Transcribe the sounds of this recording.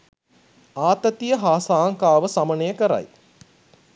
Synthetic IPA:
aːt̪ət̪ijəɦaːsaːŋkaːʋəsamənəjəkəɾa̰j

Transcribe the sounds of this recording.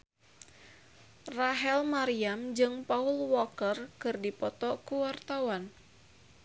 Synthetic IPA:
raɦɛlmaɾiamd͡ʒɨŋpaulwɔkərkɨrdipɔt̪ɔkuwart̪awan

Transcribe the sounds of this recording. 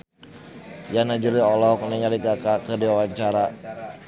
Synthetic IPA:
janad͡ʒuliɔlɔk̚nɛɲaliɡakakərdiwawaɲt͡ʃaɾa

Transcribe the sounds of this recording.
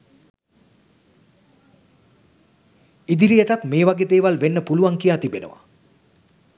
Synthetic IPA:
id̪iɾijəʈat̪meːʋaɡeːd̪eːʋalʋenːəpuluʋaŋkijaːt̪ibenə̰ʋa̰

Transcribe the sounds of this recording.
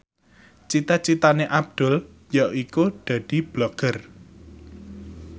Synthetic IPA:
t͡ʃit̪at͡ʃit̪aneʔab̚d̪̥ʊ̤l | jaikud̪̥ä̤d̪̥i̤b̥lɔɡ̥ər

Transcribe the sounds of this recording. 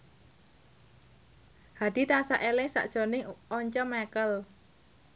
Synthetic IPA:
had̥i̤t̪asaʔelɪŋsa̰ʔd̥ʒ̥o̤nɪŋʔɔɲt͡ʃɔmɛkəl

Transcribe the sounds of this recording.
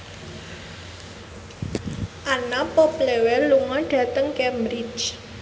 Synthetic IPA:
ʔanapɔplewɛluŋɔɖ̥ä̤t̪əŋkɛmbɾit͡ʃ

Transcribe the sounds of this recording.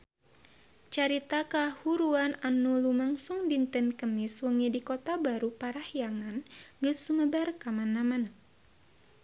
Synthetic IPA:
t͡ʃaɾit̪akahuɾuananulumaŋsuŋdint̪ənkəmiswəŋidikot̪abaɾupaɾahjaŋanɡəsuməbarkamanamana

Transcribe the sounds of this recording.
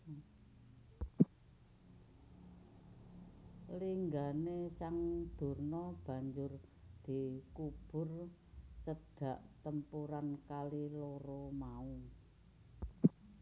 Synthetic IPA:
liŋɡanesaŋd̪̥ṳrnɔb̥ä̤ɲd͡ʒʊr | d̪̥i̤kub̥ʊ̤r | t͡ʃəɖ̥ä̤ʔt̪əmpuɾankaliloɾomau

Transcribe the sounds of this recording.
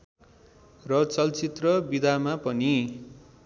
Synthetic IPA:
rʌt͡sʌlt͡sit̪rʌbid̪ʱamapʌni

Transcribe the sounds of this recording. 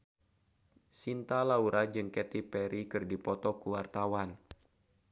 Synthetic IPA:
sint̪alauɾʔad͡ʒɨŋkɛt̪ipɛɾikɨrdipɔt̪ɔkuwart̪awan

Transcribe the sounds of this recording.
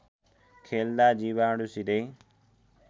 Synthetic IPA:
kʰeːld̪aːd͡ʒiːʋaːɽusideː

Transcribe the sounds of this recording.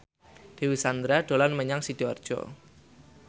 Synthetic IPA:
d̪̥e̤wisand̪ɾaɖ̥o̤lanməɲaŋsid̥ɔɔ̰rd̥ʒ̥ɔ̰

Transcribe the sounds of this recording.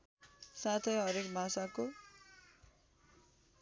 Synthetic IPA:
sat̪ʰʌjɦʌɾekbʱasako

